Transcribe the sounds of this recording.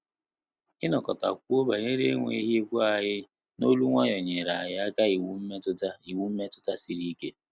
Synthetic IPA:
ɪ˦nɔ˨kɔ˨ta̰˨k̚ʷo˦ba˨ɲe˦ɾe˦ŋʷḛ˨i˦ɦi˦e˦kʷu˦a˨ɦɪ˦ | no˦lu˦ŋʷa˦ɲɔ˨ɲe˨ɾa˨a˨ja˦a˦ka˦i˨wu˦m̩˦m˦tʊ˦ta˦i˨wu˦m̩˦me˦tʊ̥˦ta˦si˨ɾi˦ke˦

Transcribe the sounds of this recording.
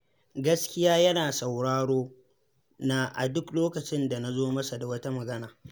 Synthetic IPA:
ɡɐ˦skʲɪ˦jaː˦jɐ˦naː˨sɐ˨wɽaː˦ɽoː˦ | na˦ʔa̰˨dʊ˦kloː˦kɐ˨t͡ʃɪ˦nda˨na˦zoː˦mɐ˦sa˨da˨wɐ˦ta˦mɐ˨ɡɐ˦naː˨

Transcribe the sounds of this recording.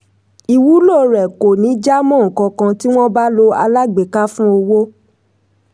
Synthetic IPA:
i˨wu˨˦lo˦˨ɾɛ˨ko˨nĩ˨˦d͡ʒa˦mɔ̃˦˨ŋ̩˨kɔ̃˧kã˧ti˦w̃ɔ̃˦ba˦lo˧a̰˧la˦ɡ͡be˨ka˦fũ˦o˧wo˦

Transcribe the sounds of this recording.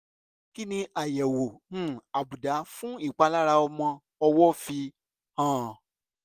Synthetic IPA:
ki˦nĩ˧ʔa˨jɛ˨wo˨nũ˦˨a˨bu˨da˨˦fũ˦i˦˨k͡pa˧la˦ɾa˧ɔ˧mɔ̃˧ | ɔ˧wɔ˦fi˧ | hãː˦˨

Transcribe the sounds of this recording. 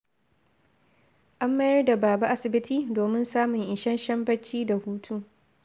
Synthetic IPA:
ʔa˦mːɐ˦jɐ˦rda˨baː˨ba˦ʔa˦sɪ˨bɪ˦tʰiː˦doː˨mɪ˦nsaː˦mʊ˨ŋʔɪ˨ʃɐ˦nʃɐ˦mbɐ˦t͡ʃːiː˦da˨huː˦tʰuː˦

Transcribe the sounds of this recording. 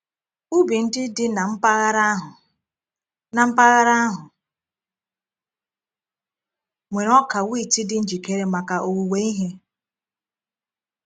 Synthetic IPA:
u˦bi˨n̩˦dɪ˦dɪ˦na˨m̩˦pa˦ɣɾa˦ɦʊ˨ | na˨m̩˦pa˦ɣa˦ɾa˦ɦʊ˨ | ŋʷe˨ɾɔ˦ka˨wi˦˨ti˦dɪ˦n̩˦d͡ʒi˨ke˦ɾe˦ma˨ka˨ʔo˨wu˨we˦i˦ɦe˦

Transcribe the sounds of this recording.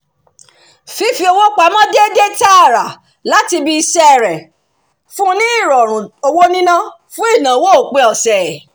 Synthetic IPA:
fi˨˦fi˧˦o˧wo˦k͡pa˨˦mã˦de˦de˦ta˦a˦˨ɾa˨ | la˨˦ti˧bi˧i˧sɛ˦˨ɾɛ˨ | fũ˦nĩ˦i˦˨ɾɔ˨ɾ̃ũ˨o˧wo˦nĩ˦nã˦ | fũ˦i˦˨nã˨˦wo˦o˨k͡pe˧ɔ˨sɛ˨

